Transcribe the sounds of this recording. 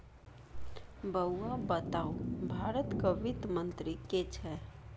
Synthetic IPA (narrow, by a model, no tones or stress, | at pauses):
bəwːabət̪aːubʱaːɾət̪kaʋɪt̪mə̃nt̪ɾiket͡ʃʰɛ